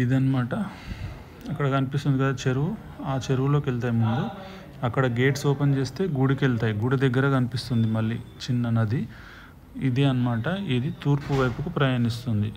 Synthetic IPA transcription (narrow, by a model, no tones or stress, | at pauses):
id̪iɐnɐmaːʈɐ | ɐkːɐɽɐkɐnipist̪und̪ikɐd̪aːt͡ʃeɾuʋu | aːt͡ʃeɾuʋulo̞ːkeɭt̪̬aːjimund̪u | ɐkːɐɽɐɡe̞ːʈsɔːpent͡ʃe̞ːst̪e̞ːɡuɽikeɭt̪aːjiɡuɽid̪ɐɡːɐɾɐkɐnipist̪und̪imɐlːit͡ʃinːɐnɐd̪i | id̪iɐnɐmaːʈɐid̪it̪uːɾpuʋɐjpukupɾɐjaːnist̪und̪i